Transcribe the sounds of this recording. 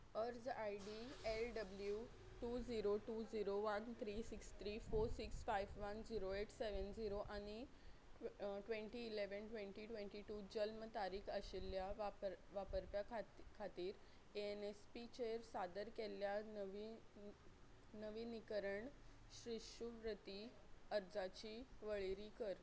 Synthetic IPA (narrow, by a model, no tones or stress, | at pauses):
əɾd͡zajɖielɖəblju | ʈuːd͡ziɾoʈud͡ziɾoʋənt̪ʰɾisikst̪ʰɾiːfoɾsiksfajʋʋənd͡ziɾoeʈseʋənd͡ziɾoʔañi | ʈʋẽɳʈiːleʋənʈʋẽɳʈiʈʋẽɳʈiʈud͡ʑəlmət̪aɾiːkʰəɕelːjaʋapʋapəɾpjakʰkʰat̪iːɾ | eenespit͡ɕeɾsad̪əɾkeljanəʋi | nəʋinikəɾəɳ | ɕɾiʂupɾət̪i | əɾd͡zat͡ɕiːʋəɭeɾiːkəɾ